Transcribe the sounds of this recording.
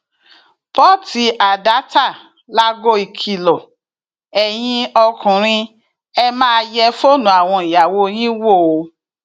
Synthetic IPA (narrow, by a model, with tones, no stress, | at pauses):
pɔ˦˨ti˧ʔa˨da˨˦ta˦˨ | la˦ɡo˦i˨kʰi˨lɔ˨ | ɛ˨j̃ĩ˧ɔ˧kũ˨ɾ̃ĩ˧ | ɛ˧mãː˦˧˦jɛ˧fo˦˨nũ˨˦a˨w̃ɔ̃˧i˨ja˨wo˧j̃ĩ˦wo˦˨˧